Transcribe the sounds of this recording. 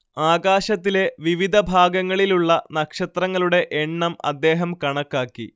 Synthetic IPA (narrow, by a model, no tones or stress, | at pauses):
aːɡaːɕɐt̪ːile̞ʋiʋid̪ʱɐbʱaːɡɐŋːɐɭiluɭːɐnɐkʂɐt̪rɐŋːɐɭuɽe̞ʔeɳːɐmɐ̰d̪ːe̞ːɦɐmkɐɳɐkːaːkːḭ